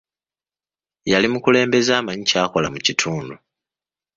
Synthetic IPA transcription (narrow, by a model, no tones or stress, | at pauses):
jalimukule̞ːmbe̞zaːmaɲicaːkolamucitʰuːndu